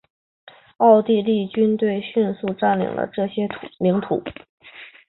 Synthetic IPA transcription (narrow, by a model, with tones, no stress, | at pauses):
ɑ˥˧ʊt̪i˥˧li˥˩t͡ɕy˥nt̪we˥˩˧ɪɕy˥˧nsu˥˧ʈ͡ʂa˥˩nlḭ˨˩ŋlə̰˧ʈ͡ʂɤ˥˩ɕjɛ˥˩li˧˥ŋt̪ʰṵ˨˩˦